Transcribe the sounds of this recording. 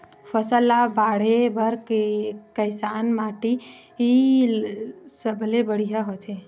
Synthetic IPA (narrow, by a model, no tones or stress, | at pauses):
fʰəsəlːabaːɽebʱəɾkekəɪsaːnmaːʈi | ɦi | səbʱlebəɽijaɦot̪ʰe